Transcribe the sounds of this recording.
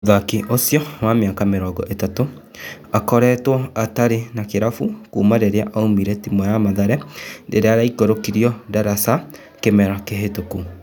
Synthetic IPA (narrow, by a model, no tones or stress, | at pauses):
ðakiʔosjɔwameakameɾɔːɡɔ̰ʔetato | akɔɾɛːtwɔataɾenakeɾafukuːmaɾeɾeaʔaumiɾɛtimɔjamaðaɾɛdeɾeaɾaikoɾokiɾiɔdaɾasa | kemɛɾakeɦetoku